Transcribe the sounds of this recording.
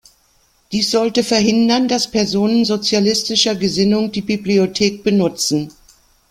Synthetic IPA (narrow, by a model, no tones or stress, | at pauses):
d̥iːsz̥ɔltəfɛɐɦɪndɐndaspʰɛɐzoːnənzot͡sjalɪstɪʃɐɡəzɪnʊŋdiːbibliotʰeːk̚b̥ənʊt͡sn̩